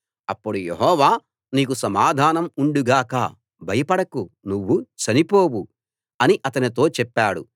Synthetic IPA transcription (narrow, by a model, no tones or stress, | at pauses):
ɐpːuɽujḛɦɔːʋaː | niːkusɐmaːd̪ʱaːnɐmuɳɖuɡaːka̰ː | bʱɐjɐpɐɽɐkunuʋːut͡ʃɐnipo̞ːwu | ɐniʔɐt̪ɐnit̪o̞ːt͡ʃɛpːaːɽṵ